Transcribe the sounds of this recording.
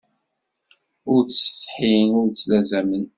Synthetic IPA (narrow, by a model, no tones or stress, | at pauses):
ʊɾt͡sːə̥θħinʊɾt͡sːlæzæmən